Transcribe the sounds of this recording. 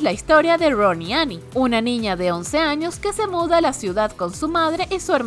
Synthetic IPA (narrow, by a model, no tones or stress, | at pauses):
laist̪o̞ɾjaðe̞roniani | unanĩɲaðe̞onse̞aɲo̞ske̞se̞muðalasjuðaðko̞nsumaðɾe̞ʔisue̞ɾ